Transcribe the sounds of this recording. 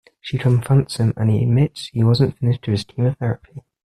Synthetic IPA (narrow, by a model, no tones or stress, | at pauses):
ʃikʰə̃ɱfʌ̃ntsɪ̃mə̰̃niɪ̰dmɪtshiwɒzə̃ntfɪnɪʃtʰəɪz̥kʰiməθɛɹəpʰi